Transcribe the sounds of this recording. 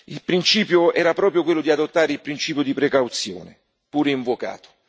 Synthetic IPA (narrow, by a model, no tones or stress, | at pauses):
ilpɾint͡ʃiːpjoɛːɾapɾɔːpɾjokwelːʊd̪iad̪ot̪ːaːɾeilpɾint͡ʃiːpjoʊd̪ipɾekawt̪sjo̰ːnḛ | puːɾeiɱvoka̰ːt̪o̥